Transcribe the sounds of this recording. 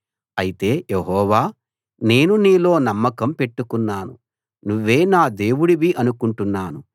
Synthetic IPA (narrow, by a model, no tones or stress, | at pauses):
ɐjit̪e̞ːjeɦɔːʋaː | ne̞ːnuniːlo̞ːnɐmːɐkɐmpe̞ʈːukunːaːnṵ | nuʋːe̞ːnaːd̪e̞ːwuɽiʋiʔɐnukuɳʈunːaːnu